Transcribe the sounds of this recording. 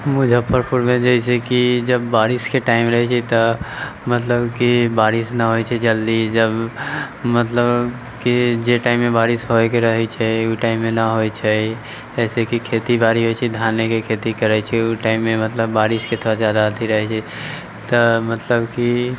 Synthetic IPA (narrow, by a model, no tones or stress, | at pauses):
mʊd͡ʒʱapəɾpʰuɾmẽd͡ʒəisekid͡ʒəbːaːɾɪskeʈaːɪmɾəɦɛt͡ʃʰɛt̪əmət̪ləbkibaːɾɪsnaɦoit͡ʃʰɛd͡ʒəld̪id͡ʒəb | mət̪ləb | kid͡ʒeʈaːɪmːẽbaːɾɪsɦoekeɾəɦɛt͡ʃʰɛuʈaːɪmːẽnaɦoit͡ʃʰɛ | ɛːsekikʰeːt̪ibaːɾiɦojt͡ʃʰɛd̪ʱaːnekekʰeːt̪ikəɾɛt͡ʃʰɛuʈaːɪmːẽmət̪ləbːaːɾɪsket̪ʰoɾazjad̪at̪ʰiɾəɦɛt͡ʃʰɛ | t̪əmət̪ləbki